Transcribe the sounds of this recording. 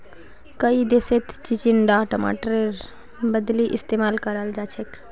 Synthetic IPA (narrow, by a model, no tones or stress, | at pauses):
kəid̪eset̪ʰt͡ʃit͡ʃiɳɖaʈəma̰ʈɾeɾ | bəd̪liʔist̪emaːlkəɾəld͡ʒat͡ʃʰek